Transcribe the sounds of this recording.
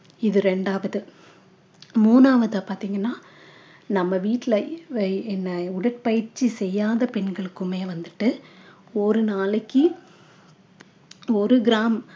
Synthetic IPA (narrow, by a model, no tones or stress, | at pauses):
ɪðɯɾɛɳɖaːʋɐðɯ | muːnaːʋɐðɐpaːɾt̪iːŋɡɐnːaː | nɐmːɐʋiːʈːlɐɪʋɛnːɐʊɽɐʈ̚pɐjɪɾt͡ʃːisɛjːaːðɐpɛɳɡɐɭɯkːɯmeːʋɐnd̪ɯʈːɯ | ɔɾɯnaːlɐkːi | ɔɾɯɡɪɾaːm